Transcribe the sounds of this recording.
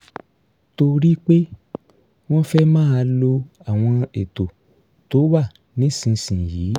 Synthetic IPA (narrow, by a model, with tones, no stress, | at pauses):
to˧ɾi˦k͡pe˦ | w̃ɔ̃˦fɛ˦mãː˦a˧lo˧ | a˨w̃ɔ̃˧e˨to˨ | to˨˦wa˦˨ | nĩ˨˦sĩ˧sĩ˨jiː˨˦